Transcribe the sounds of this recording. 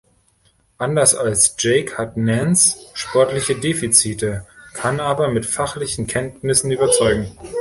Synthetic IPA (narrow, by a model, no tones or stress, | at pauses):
ʔandɐsalsʒ̥eɪkhatnɛnsʃpʰɔɐtlɪçədeːfit͡siːtəkʰanʔaːbɐmɪtfaχlɪçn̩kʰɛntnɪsn̩yːbɐt͡sɔʏɡŋ̩